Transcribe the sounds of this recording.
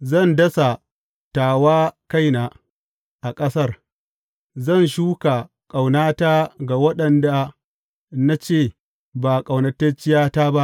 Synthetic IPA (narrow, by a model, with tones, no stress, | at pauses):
zɐ˦˨ndɐ˦sa˨ | taː˨waː˦ka˦˨jnaː˨ | ʔa˨kʼɐ˦sɐ˦˨r | zɐ˦˨nʃuː˦ka˨ | kʼa˨wnaː˦taː˦ɡa˨wɐ˦ɗɐ˨nda˨ | na˦t͡ʃeː˦˨ | ba˨kʼa˨wnɐ˨tːɐ˦t͡ʃɪ˦jaː˦ta˦ba˦ʔ